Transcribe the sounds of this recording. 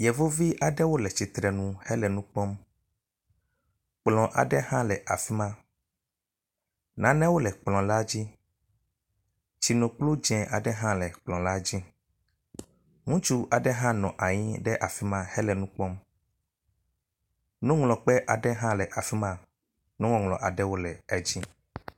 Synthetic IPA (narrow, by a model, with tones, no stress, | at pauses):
jɛ˨vo˦vi˦ʔa˨ɖɛ˦wo˦lɛ˨t͡ɕi˨t̪ɾɛ˨nũ˦hɛ˦lɛ˨nũ˦k͡pɔ˦m | k͡plɔ̃˨ʔa̰˨ɖɛ˦hã˦lɛ˨ʔa˨fi˦mã˦ | nã˨˦nɛ̃˦wo˦lɛ˨k͡plɔ̃˨la˦d͡ʑi˦ | t͡ɕi˨nõ˨k͡plo˦d͡ʒɛ̃˨ʔa˨ɖɛ˦ɦã˦lɛ˨k͡plɔ̃˨la˦d͡ʑi˦ | ŋũ˦t͡ʃu˦a˨ɖɛ˦ɦã˦nɔ̃˨ʔa˨ɲĩ˦ɖɛ˦ʔa˨fi˦mã˦hɛ˦lɛ˨nũ˦k͡pɔ˦m | nũ˦ŋlɔ̃˨k͡pɛ˦ʔa˨ɖɛ˦ɦã˦lɛ˨ʔa˨fi˦mã˦ | nũ˦ŋɔ̃˨ŋlɔ̰̃˨ʔa˨ɖɛ˦wo˦lɛ˨ɛ˨d͡ʑi˦